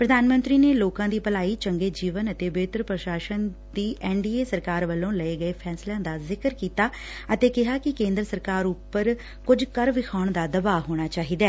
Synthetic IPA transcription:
pɾəd̪aːnmə̃nt̪ɾiːneːloːkãːd̪iːpəlaːiːt͡ʃəŋɡeːd͡ʒiːʋənət̪eːbeːt̪əɾpɾəʃaːʃənd̪iːʔɛːɳɖiːeːsəɾkaːɾʋəlːõːləeːɡəeːpʰɛːslãːd̪aːzɪkəɾkiːt̪aː | ət̪eːkɪɦaːkɪkẽːnd̪ɾəsəɾkaːɾupːəɾ | kʊd͡ʒkəɾʋɪkʰaːʊɳd̪aːd̪əbaːɦoːɽ̃aːt͡ʃaːɦiːd̪ɛː

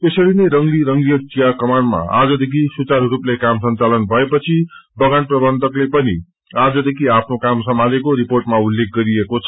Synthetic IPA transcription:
esʌɾinʌjɾʌŋliɾʌŋɡlijʌt͡sijakʌmanma̰a̰d͡zʌd̪ekʰisut͡sarruplekamsʌnt͡salʌnbʱʌepʌt͡sʰibʌɡanprʌbʌnd̪ʱʌklepʌni | ad͡zʌd̪ekʰiapʰnokamsʌmʱalekoɾiporʈmaulːek̚ʰɡʌɾiekot͡sʰʌ

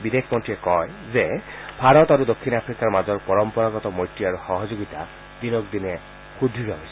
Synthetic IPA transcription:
bid̪ekʰmɔnʈɹiekɔj | zebʱaɾɔt̪aɾud̪okʰːinapʰɾikaɹmad͡ʒɔɹpɔɹɔmpɔɹaɡɔt̪ɔmojʈːiaɾuxɔɦɔd͡ʒoɡit̪a | d̪inɔk̚d̪ine | xud̪ʱiɾɔɦojsʰɛ

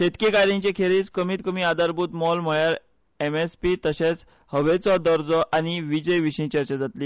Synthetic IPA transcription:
set̪kekaɾĩɲt͡ɕekʰeɾiːt͡skəmiːt̪kəmiːad̪ʱaɾbuːt̪mɔlm̤əɭjaɾ | emespit̪əɕet͡s | həʋet͡sɔd̪ɔɾd͡zɔʔaniʋid͡ʑəjʋiɕĩt͡ɕəɾt͡ɕad͡zat̪liː

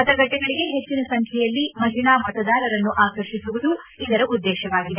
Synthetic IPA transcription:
ɐt̪ɐɡɐʈːɛɡɐɭiɡe̞ɦet͡ʃːinɐsɐŋkʰɛjɐlːimɐɦinaːmɐt̪ɐd̪aːɾɐɾɐnːuʔaːkɐɾʃisuʋud̪u | id̪ɐɾɐʔud̪ːɛːʃɐʋaːɡid̪e

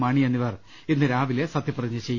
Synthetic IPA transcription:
maːɳijenːiʋɐr | inːɨɾaːʋilesɐt̪jɐpːirɐɲːɨt͡ɕe̞jː

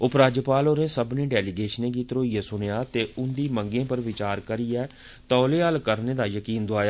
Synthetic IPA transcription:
ʊpɾaːd͡ʒəpaːloːɾẽːsəbnĩːɖɛːliɡeːʃənẽːkiːt̪ɾoːiːɛːsʊnejaːt̪eːʊnd̪iːməŋɡẽːpəɾʋɪt͡ʃaːɾkəɾiːɛː | t̪ɔːleːəlkəɾneːd̪aːjəkiːnd̪ʊaːjaː

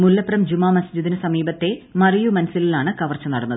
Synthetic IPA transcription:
mulːɐpːrɐmd͡ʑumːaːmɐsd͡ʑid̪inɨsɐmiːbɐt̪ːe̞mɐrijumɐnɐsililaːɳɨkɐʋɐrt͡ɕːɐnɐɽɐnːɐðɨ

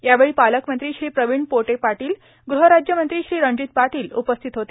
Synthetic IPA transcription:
jaʋeɭiːpaləkmənt̪ɾiːɕɾiːpɾəʋiɳɖpoʈepaʈiːl | ɡɾuɦəɾad͡ʑjəmənt̪ɾiːɕɾiːɾə̃ɲd͡ʑiːt̪̚paʈiːlṵpəst̪ʰit̪ɦot̪e

